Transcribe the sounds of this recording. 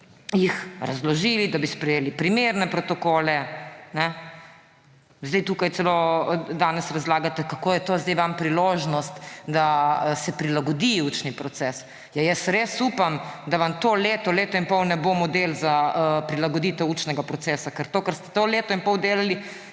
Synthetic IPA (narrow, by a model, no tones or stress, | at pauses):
jixɾazlɔʒilid̪abispɾɛjeːlipɾimeɾnɛpɾɔt̪ɔkoːlɛnɛ | zd̪ɛjt̪uːkajt̪sɛlod̪aːnɛsɾazlaːɡat̪ɛkakoːjɛt̪ozd̪ɛjʋampɾiloːʒnɔst̪d̪asɛpɾilaɡɔd̪iuːt͡ʃnipɾɔt̪sɛs | jajɛsɾesuːpamd̪aʋamt̪oleːt̪ɔleːt̪ɔinpɔwnɛbomɔd̪elzaəpɾilaɡɔd̪it̪ɛwuːt͡ʃnɛɡapɾɔt̪sɛːsakəɾt̪oːkəɾst̪ɛ̥t̪oleːt̪ɔinpɔwd̪eːlali